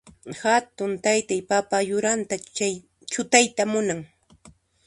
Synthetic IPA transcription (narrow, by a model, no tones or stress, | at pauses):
hat̪ʊnt̪ajt̪ajpapajʊɾant̪aaj | t͡ʃʊt̪ajt̪amʊnaŋ